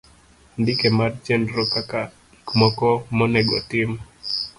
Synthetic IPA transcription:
ndikemart͡ʃɛndɾɔkaka | kmɔkɔmɔnɛɡɔ̰tɪm

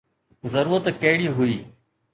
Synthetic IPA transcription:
zəɾuːɾət̪kɐɦɪɽiːɦʊiː

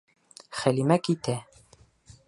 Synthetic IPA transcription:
χælimækit̪æ

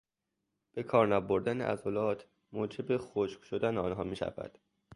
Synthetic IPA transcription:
b̥e̞kʰɒːɾnɒboɾd̪ænḛʔæ̰zolɒːt̪ | moːd͡ʒe̞bexoʃkʃod̪æneɒːnɦɒːmiːʃæ̰væ̰d̪̥

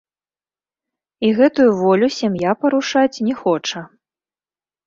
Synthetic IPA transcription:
iɣɛt̪ujuvɔlʲusʲamjapɐɾuʂat͡sʲnʲɛxɔt͡ʂɐ

